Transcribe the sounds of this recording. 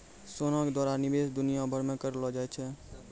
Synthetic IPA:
soːnãked̪ɔːɾaːɾnɪbeːsd̪ʊnijabʱəɾmẽkəɾlɔd͡ʒaːet͡ʃʰɛ

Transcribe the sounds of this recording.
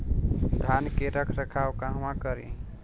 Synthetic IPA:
d̪ʱankeɾəkʰɾəkʰawkaɦmãkəɾḭ̃

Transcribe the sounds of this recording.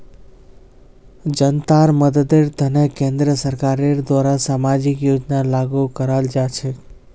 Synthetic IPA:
d͡ʒənt̪aɾməd̪əd̪eɾt̪ənekẽnd̪ɾəsəɾkaɾeɾd̪ʋaɾasamad͡ʒikjod͡ʒnalaɡukəɾald͡ʒat͡ʃʰe

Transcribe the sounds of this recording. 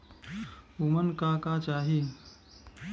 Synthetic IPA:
umənkaːkat͡ʃaːɦi

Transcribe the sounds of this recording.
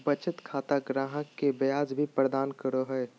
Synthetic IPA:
bət͡ʃət̪kʰaːt̪aɡɾaːɦəkːebjaːzbʱipɾəd̪aːnkəɾoɦɛe

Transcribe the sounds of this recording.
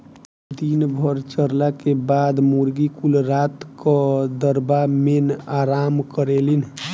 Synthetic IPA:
d̪inbʱəɾt͡ʃəɾlakebad̪muɾɡikulɾat̪kəd̪əɾbamenaɾamkəɾelin

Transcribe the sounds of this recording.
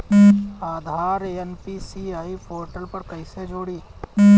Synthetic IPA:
aːd̪ʱaːɾeːenpisiaːipʰoːɾʈəlpɐɾkɐised͡ʒoːɽiː

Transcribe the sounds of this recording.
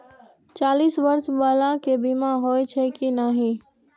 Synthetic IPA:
t͡ʃaːliːsʋəɾsbaːlakebimaɦoːet͡ʃʰekinaɦĩ

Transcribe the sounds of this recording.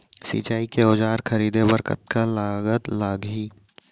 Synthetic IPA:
sḭːt͡ʃaːikeoːd͡ʒaːɾkʰɐɾiːd̪ebəɾkə̰t̪̚kalaːɡət̪laːɡɦiː

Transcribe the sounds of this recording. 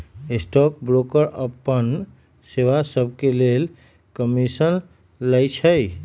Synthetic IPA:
esʈɔk̚bɾokəɾəpːən | seʋasəbʱkelel | kəmisən | ləjt͡ʃʰəj

